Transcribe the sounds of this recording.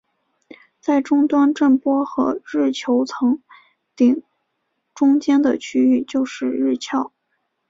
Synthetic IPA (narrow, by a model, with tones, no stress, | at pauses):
t͡sa˥˩ɪʈ͡ʂʊ˥ŋt̪wa˥nʈ͡ʂə˥˩npwɔ˥xɤ̰˧˥ɻɻ̩˥˩t͡ɕʰjo˧˥ʊt͡sʰɤ˧˥ŋ | t̪i˨˩ŋ | ʈ͡ʂʊ˥ŋt͡ɕjɛ˥nd̪ə˨t͡ɕʰy˥y˥˩t͡ɕjo˥˧ʊʂɻ̩˥˧ɻɻ̩˥˩˧t͡ɕʰjɑ˥˩ʊ